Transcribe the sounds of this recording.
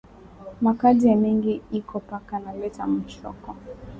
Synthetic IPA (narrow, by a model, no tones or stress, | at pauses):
makaziamiŋɡiikɔpakanalɛtam̩t͡ʃɔ̰kɔ